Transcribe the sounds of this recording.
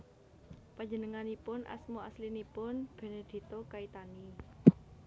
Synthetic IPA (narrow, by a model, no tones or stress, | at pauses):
pad͡ʒənəŋanipʊnʔa̰smuaslinipʊnb̥e̤ned̪̥i̤t̪okait̪ani